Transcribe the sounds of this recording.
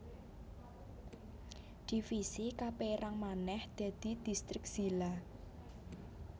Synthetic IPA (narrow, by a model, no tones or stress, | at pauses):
d̪̥i̤fisikapeɾaŋmanɛhd̪̥a̤d̪̥i̤d̪̥ist̪ɾɪk̚z̥ila